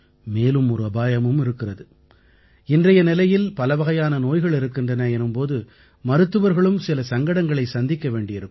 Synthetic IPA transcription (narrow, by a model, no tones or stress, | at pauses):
meːlɯmɔɾɯɐbaːjɐmɯmɪɾɯkːɪrɐðɯ | ɪndrɐjɐnɪlɐjɪlpɐlɐʋɐɣɐjaːnɐnoːjɣɐɭɪɾɯkːɪndrɐnɐɛnɯmpoːðɯ | mɐɾɯt̪ːɯʋɐɾɣɐɭɯmsɪlɐsɐŋɡɐɽɐŋɡɐɭɐɪsɐnd̪ɪkːɐʋeːɳɖɪɪɾɯkː